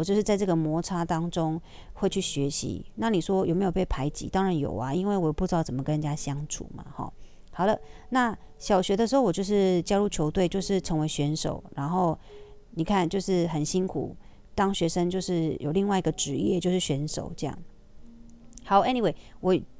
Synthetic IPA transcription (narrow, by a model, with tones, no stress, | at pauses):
ɔ˨˩t͡ɕjo˥˧ʂɻ̩˥˧t͡sa˥˧ɪʈ͡ʂɤ˥˩ɡə˨mwɔ˧˥ʈ͡ʂʰa˥t̪ɑ˥ŋʈ͡ʂʊ˦ŋ | xwe˥˧ɪt͡ɕʰy˥˩ɕɥɛ˧˦ɕḭ˧˦na˥˩ni˨˩ʂwɔ˦˥jo˨ʊme˧˥jo˨˩pe˥˩ɪpʰa˧˥ɪt͡ɕḭ˧˦t̪ɑ˥ŋɻa˧˦njo̰˨˩ʊa˦i˦nwe˥˩ɪwɔ˨jo˨˩pu˥˩ʈ͡ʂɻ̩˧˥˩t͡sə˨˩mə˩kə˥˧nt͡ɕja˥ɕjɑ˥ŋʈ͡ʂʰṵ˨˩mɐ̰˩xɔ̰˩ | hɑ˨˩ʊlə˦na˥˩ɕjɑ˨˩ʊɕɥɛ˧˦˥də˧ʂɻ̩˧xo˥˩wt͡ɕjo˥˧ʂ̬ɻ̩˥˩t͡ɕja˥ɻu˥˩t͡ɕʰjo˧˥ʊt̪we˥˧ɪt͡ɕjo˥˧ʊʂɻ̩˥˩ʈ͡ʂʰɤ˧˥ŋwe˧˥ɪɕɥɛ˧˥nʂo̰˨˩ʊɻa˧˥nxo˥˩ʊ | ni˨˩kʰa˥˩nt͡ɕjo˥˧ʊʂɻ̩˥˩xə˨˩nɕi˥nkʰṵ˨˩ | t̪ɑ˥ŋɕɥɛ˧˥ʂə˥ŋt͡ɕjo˥˧ʊʂɻ̩˥˩jʔo˨˩ʊli˥˧ŋwa˥˩i˧ɡə˨ʈ͡ʂɻ̩˧˥jɛ˥˧t͡ɕjo˥˧ʊʂɻ̩˥˩ɕɥɛ˧˥nʂo̰˨˩˦ʊʈ͡ʂɤ˥˧jɑ̰˥˩ŋ | xɑ˨˧˦ʊɛ˥li˨we˨˩ɪwʔɔ˨˩˨